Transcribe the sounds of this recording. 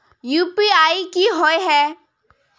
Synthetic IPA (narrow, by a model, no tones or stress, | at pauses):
juːpiaːikiɦoeɦɛː